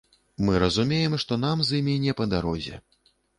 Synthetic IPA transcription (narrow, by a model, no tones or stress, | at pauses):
mɨɾɐzumʲejɛmʂt̪ɔnamzɨmʲinʲɛpɐd̪aɾɔzʲɛ̰